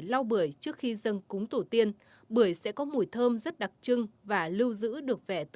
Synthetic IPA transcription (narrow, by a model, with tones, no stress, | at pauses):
jla˧wɓɨ˧˩əjt͡ɕɨ˦˥ək̚xi˧zə˧nkʊ˨˦ŋ͡mt̪o˧˩t̪i˧ən | ɓɨ˧˩əjsɛ̰˧˥kɔ˨˦mu˨˩jt̪ʰəː˧mzə˦˥t̚ɗa˨˩k̚t͡ɕɨ˧ŋvaː˨˩lɨ˧wzɨ̰˧˥ɗɨ˨˩ək̚vɛ˧˩t̪